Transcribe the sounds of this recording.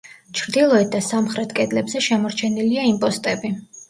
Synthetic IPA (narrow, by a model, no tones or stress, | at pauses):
t͡ʃʰɾd̪ilˠɔɛt̪̚d̪asamχɾɛt̪ʰkʼɛd̪lɛbzɛʃɛmɔɾt͡ʃʰɛniliaimpʼɔst̪ʼɛbi